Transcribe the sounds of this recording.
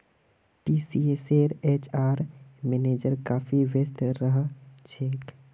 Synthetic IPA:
piːsieseːɾet͡ʃʰaːɾmeneːd͡ʒəɾkaːfʰiʋjəst̪ɾəɦt͡ʃʰeːk

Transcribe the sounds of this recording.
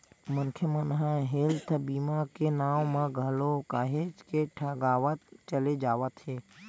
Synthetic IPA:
mənkʰemənɦãɦelt̪ʰbiːmakenaːʋmãɡʱəlokaːɦed͡ʒkeʈʰəɡaːʋət̪t͡ʃəled͡ʒaːʋət̪ɦeː

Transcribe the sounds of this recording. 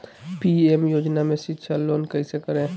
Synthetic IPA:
piemjod͡ʒnamesitːʃʰalonkəɪsekəɾẽ

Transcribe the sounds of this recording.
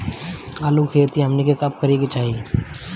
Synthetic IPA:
aːlukʰeːɾt̪iɦɐmnikekɐp̚kəɾiɡet͡ʃaːɦi

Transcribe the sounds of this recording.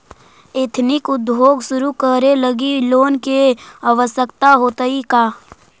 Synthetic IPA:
eːt̪ʰnɪkʊd̪̚bʱoːɡsʊɾukəɾeləɡiloːnkeaʋəsjəkt̪aɦoːt̪əikaː

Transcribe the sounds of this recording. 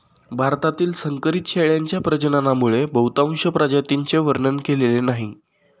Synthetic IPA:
bʱaɾt̪at̪iːlsəŋkəɾit̪ɕeɭjaɲt͡ɕjapɾəd͡ʑənanamuɭebəwt̪aŋ̃ɕəpɾad͡ʑat̪iɲt͡ɕeʋəɾnənkelelenaɦi

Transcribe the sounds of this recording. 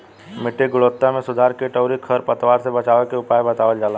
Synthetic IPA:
mɪʈːeɡʊɭoːt̪ːamẽsʊd̪ʱaːɾkeʈəːɾikʰəɾpət̪ʋaːɾsebɐt͡ʃaːʋəkeʊpaːjbɐt̪aːʋəld͡ʒaːla

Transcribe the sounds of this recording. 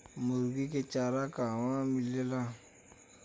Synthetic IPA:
moɾɡiket͡ʃaɾakamamilːela

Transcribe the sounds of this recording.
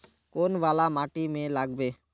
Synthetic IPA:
konbalamaʈimẽlaɡbe

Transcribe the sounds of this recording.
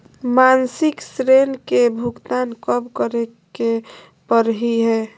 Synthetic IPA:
mansɪksɾenkebʱukt̪ankəbkəɾe | ke | pəɾɦiɦɛː

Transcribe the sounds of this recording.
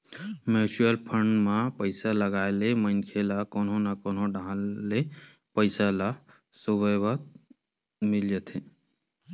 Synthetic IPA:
meːsuəlpʰəɳɖmãpəɪsaləɡaːelemənkʰelakoːnõnakoːnõɖʱãle | pəɪsala | subəjbat̪̚ | mɪld͡ʒət̪ʰe

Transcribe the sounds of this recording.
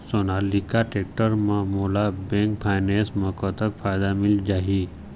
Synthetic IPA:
sonalikaʈeːk̚ʈəɾmãmoːlabẽŋkpʰajnẽsməkət̪ək̚fʰaːjd̪amɪld͡ʒaːɦi

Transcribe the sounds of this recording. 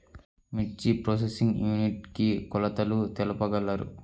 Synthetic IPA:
mit͡ʃːipɾoːs̬esiŋɡjuːniʈkikɔlɐt̪ɐlut̪ɛlɐpɐɡɐlːaɾṵ

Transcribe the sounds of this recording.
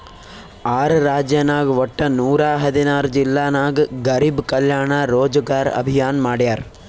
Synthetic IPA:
aːɾɐɾaːd͡ʒjɐnaːɡʋɔʈːɐnuːɾaːɦɐd̪inaːɾud͡ʒilːaːnaːɡɡɐɾibkɐljaːɳaɾoːd͡ʒɐɡaːɾɐ̰bʱijaːnmaːɽjaːɾ

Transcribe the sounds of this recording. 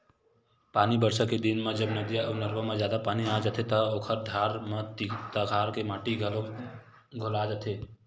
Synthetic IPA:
paːnibəɾsəked̪inmed͡ʒəbnəd̪jaənəɾbəmed͡ʒjaːd̪apaːniad͡ʒət̪ʰet̪əoːkʰəɾd̪ʱaɾmet̪it̪əɡʱaːɾkemaːʈi | ɡʱolad͡ʒat̪ʰe

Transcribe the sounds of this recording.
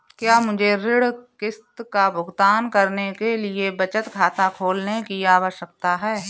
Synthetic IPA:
kjaːmʊd͡ʒʱeɾɪɽkɪst̪kabʱʊɡt̪aːnkəɾnekeliebɐt͡ʃət̪kʰaːt̪akʰoːlnekiaːʋəʃək̚t̪aɦɛː

